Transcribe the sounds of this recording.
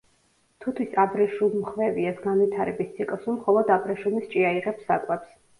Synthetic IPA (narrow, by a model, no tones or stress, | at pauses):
t̪ʰut̪ʰwisabɾɛʃumχvɛviɛsɡanvit̪ʰaɾɛbist̪sʰikʼlˠsumχɔlˠɔd̪abɾɛʃunist͡ʃʼiaiʁɛpsa̰kʼwɛps